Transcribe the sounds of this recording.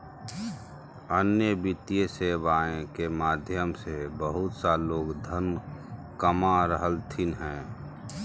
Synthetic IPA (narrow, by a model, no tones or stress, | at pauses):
ənjəbit̪ieseːbaːẽkemaːd̪ʱjəmsebəɦʊt̪saloːɡd̪ʱən | kəmaɾəɦəlt̪ʰinɦɛ̃ː